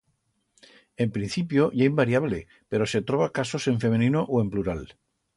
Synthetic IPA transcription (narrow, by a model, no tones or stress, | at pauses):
e̞mpɾĩn̟θipjo̞ʝaimbaɾjaβ̞le | pe̞ɾo̞se̞t̪ɾoβakaso̞se̞ɱfe̞menĩnoʔoe̞mpluɾal